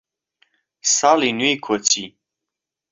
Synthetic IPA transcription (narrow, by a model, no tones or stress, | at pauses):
salinwikʰot͡sʰi